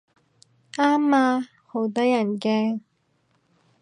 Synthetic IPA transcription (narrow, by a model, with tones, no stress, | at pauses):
ʔaː˥mːaː˧ | ho˨˧˥wt̪̬ɔː˥jɐ˨˩nkɛː˧